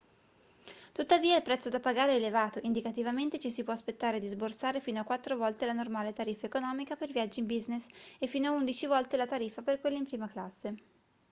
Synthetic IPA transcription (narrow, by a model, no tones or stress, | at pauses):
t̪ut̪ːaviːailpɾɛt̪sːod̪apaɡaːɾeɛːlevaːt̪oʔind̪ikat̪ivament̪et͡ʃisipwɔaspet̪ːaːɾed̪izborsaːɾefiːnoakːwat̪ːɾovɔlt̪elanormaːlet̪aɾifːaekonɔːmikapelvjad͡ʒːimbiznesefːiːnoaund̪it͡ʃivɔlt̪elat̪aɾifːaperkwelːaimpɾiːmaklasːe